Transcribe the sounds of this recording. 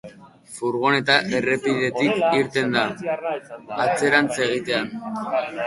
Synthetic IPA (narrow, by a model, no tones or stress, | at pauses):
fuɾɣ̞one̞t̪aʔe̞re̞piðe̞t̪ikiɾt̪e̞nd̪a | at͡se̞ɾant͡se̞ɣ̞it̪e̞an